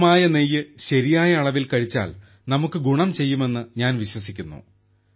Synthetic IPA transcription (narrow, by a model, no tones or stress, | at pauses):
maːjɐnejːɨɕɐɾijaːjɐːɭɐʋilkɐɻit͡ɕːa̰ːl | nɐmukːɨɡuɳɐmt͡ɕe̞jːume̞nːɨɲaːnʋiɕwɐsikʲːunːṵ